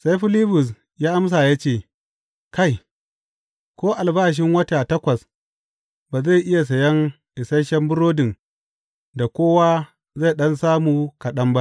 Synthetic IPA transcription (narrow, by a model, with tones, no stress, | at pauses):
sa˦jɸɪ˦liː˦bʊ˨s̬ | jaː˦ʔa˦ms̬aː˨jaː˦t͡ʃeː˦˨ | ka˦j | kʷoː˦ʔa˨lbaː˦ʃ̬ɪ˦ŋwɐ˦ta˨tɐ˦kʷɐ˨s | baː˨za˦˨ʔɪ˦ja˨s̬ɐ˨jɐ˦ŋ | ʔɪ˨sɐ˦ʃɐ˦mbʊ˦ɾoː˦dɪ˨ŋ | da˨kʷoː˦waː˦ | za˦˨ɗɐ˦nsaː˦muː˨kɐ˨ɗɐ˦mba˦ʔ